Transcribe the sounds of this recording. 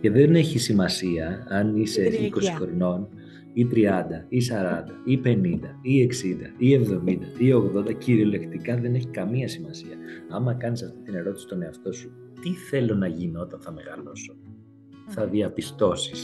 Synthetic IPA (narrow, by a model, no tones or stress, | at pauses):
ce̞ðe̞ne̞çisimɐsiɐɐniseiko̞si̥xɾino̞n | it̪ɾiɐnd̪ɐisɐɾɐnd̪ɐipe̞nind̪ɐie̞ksind̪ɐie̞vðo̞mind̪ɐio̞ɣðo̞nd̪ɐciɾiole̞kt̪ikɐðe̞ne̞çikɐmiɐsimɐsiɐɐmɐkɐnisɐft̪it̪ine̞ɾo̞t̪i̥si̥t̪o̞ne̞ɐft̪o̞su | t̪iθe̞lo̞nɐʝino̞t̪ɐnθɐme̞ɣɐlo̞so̞ | θɐðiɐpist̪o̞si̥s